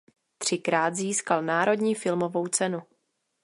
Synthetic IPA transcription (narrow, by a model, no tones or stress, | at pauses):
t̪r̝̥ɪkɾaːt̪ziːskalnaːɾo̞dɲiːfɪlmo̞vo̞wt͡sɛnu